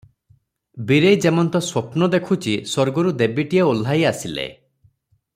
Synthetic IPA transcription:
biɾejd͡ʒemɔnt̪ɔswopnɔd̪ekʰut͡ʃisoɾɡɔɾud̪ebiʈieol̤ːajasilḛ

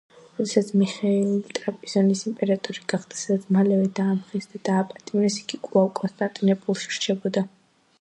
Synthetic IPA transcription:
ɾɔd̪ɛsat̪sʰmiχailit̪ʼɾapʼiz̥ɔnisimpʼɛɾat̪ʼɔɾiɡ̥aχd̪ḁsad̪at̪sʰmalɛvɛd̪aːmχisd̪ad̪̥aːpʼat̪ʼimɾɛsi̥ɡikʼvalkʼɔnst̪ʼant̪ʼinɛpʼulˠʃi̥ɾt͡ʃʰɛbɔd̪a

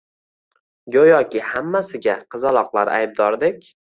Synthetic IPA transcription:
ɡʲojɒkʲɪhamːasɪɡʲaqʰɨzalˠɒqlˠaɾa̰jb̚d̪ɒɾd̪ɪkʲ

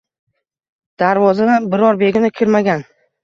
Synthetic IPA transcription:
d̪̥aɾvɒzad̪anbɪɾɒɾbe̞ɡʲɪnɪkʲʰɪɾmaɡʲan

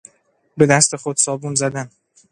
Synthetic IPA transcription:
be̞d̪æst̪ʰe̞xod̪̥sɒːbunzæd̪æn

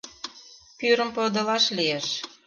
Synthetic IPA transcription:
pyɾə̆mpod̪ə̆lɑʃlijeʃ

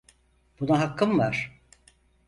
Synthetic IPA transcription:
b̥unaɦakʰːɯmvaɾ̥

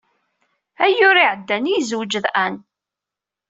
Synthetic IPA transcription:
æjʊɾiʕəd̪ːænizwd͡ʒəðʔæn

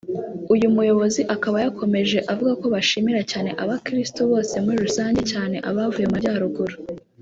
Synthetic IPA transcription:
ujumujo̞βo̞ziʔakaβajako̞me̞ʒe̞ʔavuɡako̞βaʃiːmiɾacaːne̞ʔaβakɾistoβo̞ːse̞muɾiɾusaːɲɟecaːne̞ʔaβavujemaɟaːɾuɡuɾu

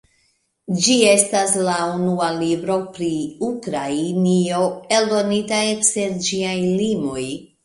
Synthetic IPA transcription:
d͡ʒie̞staslaunualibɾo̞pɾiukɾainio̞e̞ldo̞nitae̞kse̞ɾd͡ʒiajlimo̞j

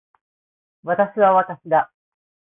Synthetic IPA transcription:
βat̪aɕiβaβat̪aɕid̪a

